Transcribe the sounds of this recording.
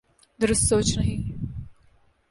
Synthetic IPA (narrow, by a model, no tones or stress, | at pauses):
d̪əɾəst̪soːt͡ʃnɐɦi